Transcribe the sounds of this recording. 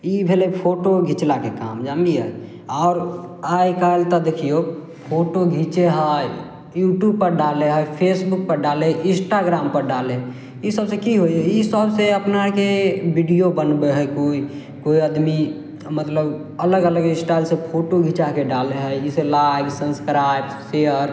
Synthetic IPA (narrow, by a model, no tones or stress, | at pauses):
ibʱelepʰoʈoɡʱit͡ʃlakeka̰ːmd͡ʒamiɦə̰ | ɔːɾaikalt̪əd̪ekʰijo | pʰoʈoɡʱit͡ʃeɦəj | juːʈjub̚pəɾɖaleɦəjpʰesbuk̚pəɾɖaleɪ̃sʈaɡɾaːmpəɾɖale | isəbsekiɦoiɦəisəbseəpnakebiɖijobənbeɦəkoi | koiəd̪mi | mət̪ləb | ələɡələɡɪ̃sʈalsepʰoʈoɡʱit͡ʃakeɖaleɦəiselajɡsəmskɾajb | seəɾ